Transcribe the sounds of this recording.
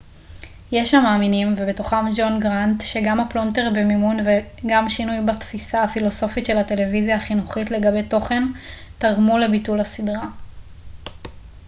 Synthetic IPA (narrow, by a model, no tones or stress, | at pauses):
je̞ʃamaːminimve̞beto̞χamd͡ʒo̞nɡʁantʃe̞ɡamaplo̞nteʁbemimunveɡamʃinujbatfisaːfilo̞so̞fitʃe̞late̞le̞vizjaːχinuχitle̞ɡabe̞jto̞χe̞ntaʁmule̞bitulhasidʁa